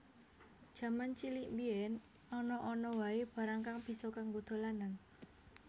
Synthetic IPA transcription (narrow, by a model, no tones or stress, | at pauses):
ʒ̥ä̤mant͡ʃiliʔmbiɛn | ɔnɔʔɔnɔwaeb̥ä̤ɾaŋkaŋb̥i̤sɔkaŋɡod̪̥o̤lanan